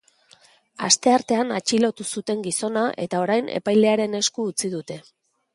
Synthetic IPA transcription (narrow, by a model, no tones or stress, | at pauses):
ast̪e̞aɾt̪e̞anat͡ʃilo̞t̪usut̪e̞ŋɡiso̞naʔe̞̰t̪ao̞ɾajne̞̰pajle̞aɾe̞ne̞skuːt͡siðut̪e̞